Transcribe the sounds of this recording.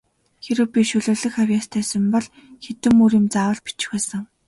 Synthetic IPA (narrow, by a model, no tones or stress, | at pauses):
xeɾɘ̆wpʲiʃɵɮoːɮɵ̆xawʲjaːst̪ʰæːsə̆mpɔɮ | xet̪ɘ̆muɾiːmt͡saːwə̆ɮpi̥t͡ɕɪ̥̆xæːsə̆ŋ